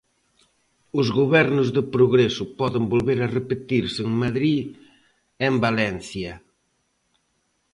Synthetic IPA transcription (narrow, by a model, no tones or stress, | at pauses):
ʊzɣoβɛɾnʊzðɪpɾʊɣɾesʊpɔðɪmbolβeɾɐrepet̪iɾsŋmaðɾi | embalɛn̟θjɐ